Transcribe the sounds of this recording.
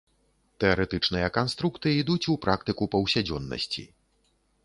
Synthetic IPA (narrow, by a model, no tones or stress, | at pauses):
t̪ɛɐɾɛt̪ɨt͡ʂnɨjɐkanst̪ɾukt̪ɨid̪ut͡sʲupɾakt̪ɨkupɐwsʲad͡zʲɔnːɐ̰sʲt͡sʲḭ